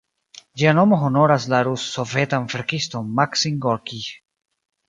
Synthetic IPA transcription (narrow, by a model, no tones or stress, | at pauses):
d͡ʒiano̞moɦo̞no̞ɾas̬laɾusːovetanfeɾkisto̞mmaksiŋɡoɾki